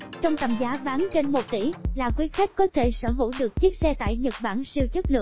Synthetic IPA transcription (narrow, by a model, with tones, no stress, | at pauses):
t͡ɕɔ˧wŋ͡mt̪ə̰˧˩mzaː˨˦ɓaː˨˦nt͡ɕe˧nmo˨˩t̚t̪ḭ˧˩laː˨˩kwi˨˦əxa˦˥k̟̚kɔ˨˦t̪ʰe˧˩səː˧˩ɦṵ˧˥ɗɨ˨˩ək̚t͡ɕi˦˥ək̚sɛ˧t̪a̰ː˧˨jɲə˨˩t̚ɓaː˧˩nsi˧əwt͡ɕə˦˥t̚lɨ̰˧˨əŋ